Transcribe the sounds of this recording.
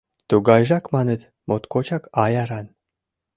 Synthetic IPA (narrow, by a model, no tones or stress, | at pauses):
t̪uɣɑjʒɑkmɑnet̪ | mot̪kot͡ɕɑkɑjɑɾɑn